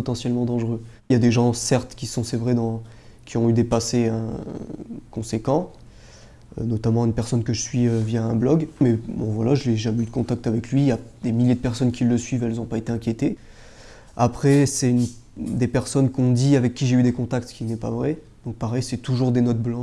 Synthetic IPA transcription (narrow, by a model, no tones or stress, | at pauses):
pɔt̪ɑ̃sjɛlmɑ̃d̪ɑ̃ʒʁø | ljad̪eʒɑ̃sɛʁt̪kʲisɔ̃sɛvʁɛd̪ɑ̃ | kʲiɔ̃yd̪epaseɛ̃ | kɔ̃sekɑ̃ | ønɔt̪amɑ̃ynpɛʁsɔnkəʒəsɥiøvjaɛ̃blɔɡmɛbɔ̃vwalaʒəleʒamɛyd̪əkɔ̃t̪ak̚t̪avɛklɥijad̪̥emiljed̪əpɛʁsɔnkʲilːəsɥivɛlzɔ̃paet̪eɛ̃kʲjet̪e | apχɛsɛynd̪epɛʁsɔnkɔ̃d̪iavɛkʲːiʒeyd̪ekɔ̃t̪akt̪kʲinɛpavʁɛ | d̪̥ɔ̃k̚paʁɛjsɛt̪uʒuʁd̪enɔt̪̚blɑ̃